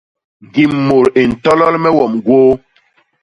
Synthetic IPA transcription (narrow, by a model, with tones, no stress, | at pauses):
ɡi˨mmːo˨ɾe˨n̩˨tɔ˦lɔ˦lmɛ˦wɔ˨mɡwoː˦